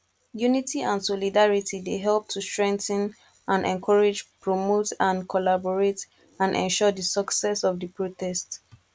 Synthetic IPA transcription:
junitiãnsɔlidaɹitʰideɦɛlˠp̚tʰustɹɛ̃ŋk̚tə̃n | ãnɛ̰̃nkʰɔɹed͡ʒpɹɔmotãnkʰɔlabɔɹet | ãnʔɛ̰̃nʃɔdəsəksɛsɔvdəpʰɹotʰɛst

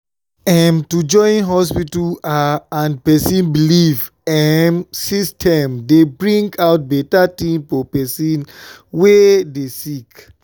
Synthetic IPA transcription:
ɛmtud͡ʒɔ̃ɪ̃nɦɔspitulaãnpɛsĩnbiliv | ɛmsistʰɛ̃mdebɹĩŋɡawt̚bɛtatĩmfɔpɛsĩn | wedesik

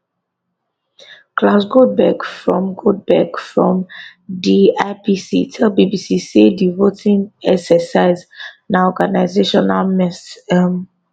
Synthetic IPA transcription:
kʰlasɡod̚bɛɡfɹɔ̃mɡod̚bɛɡfɹɔ̃mdiapisḭtʰɛlbibisisidivotĩŋɛksɛsaɪz | naɔɡanaɪzeʃɔnalmɛsm

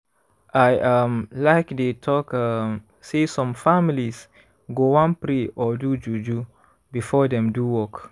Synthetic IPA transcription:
ʔajʔamlaɪkdetʰɔkam | sesɔ̃mfamilis | ɡowãnpɾeʔɔdud͡ʒud͡ʒu | bifɔdɛ̃mduwɔk

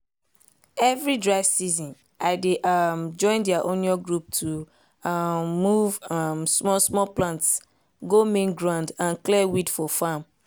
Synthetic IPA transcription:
ɛvɹidɹaɪv̥sizɔ̃n | ʔaɪdeʔmd͡ʒɔ̃ɪ̃ndiaʔõniɔɡɹup̚tʰu | mːuvamsmɔsmɔlplãnts | ɡomẽnɡɹãndãnklɛwidfɔfam

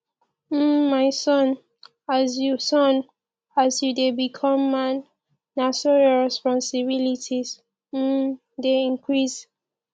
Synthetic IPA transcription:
maɪsɔ̃n | azjusɔ̃n | azjudebikʰɔ̃mːãnː | asɔɹɔɹɛspɔ̃nsibilitʰiz | m̩ | deĩnkʰɹis

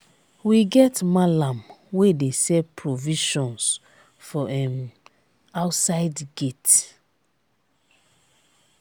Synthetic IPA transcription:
wiɡɛtmalãmwedesɛpʰɹoviʃɔ̃ns | fɔʔɛm | aʊtsaɪdɡet

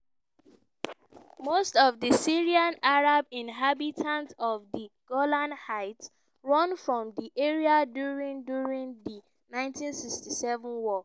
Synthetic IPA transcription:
mostɔvðəsiɹiãnaɹabĩnɦabitʰãntɔvðəɡ̥ɔlãnhaɪts | ɹɔ̃nfɹɔ̃mðiʔeɹiadjuɹĩndjuɹĩŋði | nãɪ̃ntĩnsikstisɛvə̃nwɔ

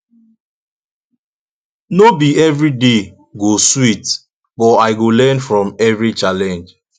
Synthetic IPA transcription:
nobiɛvɹide | ɡoswit | bɔaɪɡolɛ̃nfɹɔ̃mɛvɹit͡ʃalɛ̃nd͡ʒ

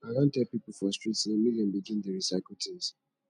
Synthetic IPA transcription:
aɾãntɛpipufɔstɹitsemilijɔ̃nbiɡĩndəɹisaklutʰiz̥

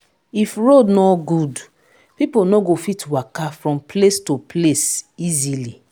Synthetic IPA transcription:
ifɹodnɔɡud | piponɔɡofitwakafɹɔ̃mpʰlestupʰlesizili

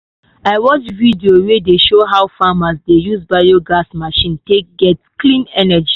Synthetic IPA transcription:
aɪwɔt͡ʃvidiowedeʃoɦawfamasdejuzbajoɡasmaʃĩntek̚ɡɛtklĩnɛnɛd͡ʒi

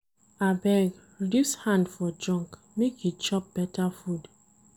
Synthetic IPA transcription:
abɛɡ | dishãndfɔd͡ʒɔ̃ŋk | mekit͡ʃɔp̚b̥ɛtafud

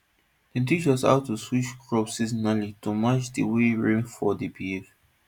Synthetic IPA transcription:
d̥itit͡ʃɔsa̰ʊtuswit͡ʃkɹɔpsizɔnalitumat͡ʃdiweɹẽnfɔdibiv

